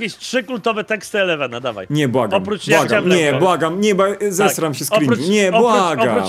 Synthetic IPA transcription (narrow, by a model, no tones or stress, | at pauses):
kʲeɕtʂɘkult̪ɔvɛt̪ɛkst̪ɨɛlɛvanad̪ava̰jɲɛbwaɡɔmpɾubwaɡaɛmɲɛbwaɡamɲɛbazɛsɾamɕɛskɾiɲɛbwaɡa̰